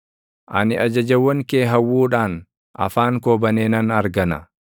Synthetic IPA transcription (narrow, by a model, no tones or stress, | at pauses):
ʔɐnɪʔɐd͡ʒɐd͡ʒɐwːɐŋke̞ːɦɐwːuːᶑaːn | ʔɐ̰faːŋkoːbɐneːnɐnɐɾɡɐnɐ̰